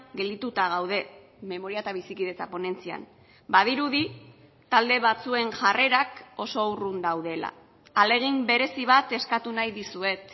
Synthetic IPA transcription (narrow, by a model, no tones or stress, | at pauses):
ɡe̞ld̪it̪ut̪aɣ̞awð̞e̞ | me̞mo̞ɾiaet̪aβ̞isikið̞e̞t͡sapo̞ne̞nt͡sia̰n | bað̞iɾuði | t̪ald̪e̞βat͡sue̞ŋʝare̞ɾako̞so̞urund̪awð̞e̞la̰ | ale̞ɣ̞imbe̞ɾe̞siβ̞at̪e̞skat̪unajðisue̞t̪